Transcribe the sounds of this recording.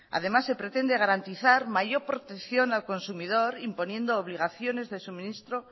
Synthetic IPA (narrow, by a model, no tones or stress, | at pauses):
a̰ð̞e̞masːe̞pɾe̞t̪e̞nd̪e̞ɣ̞aɾant̪iθaɾmaʝo̞ɾpɾo̞t̪ekθjo̞nalko̞nsumið̞o̞ɾimpo̞nje̞nd̪oːβ̞liɣ̞aθjo̞ne̞zðe̞sumĩnist̪ɾo